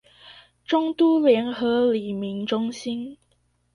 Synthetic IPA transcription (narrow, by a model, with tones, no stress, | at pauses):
ʈ͡ʂʊ˥ŋt̪u˥ljɛ˧˥nxɤ˧˥li˨˩mi˨˥nʈ͡ʂʊ˥ŋɕi˥n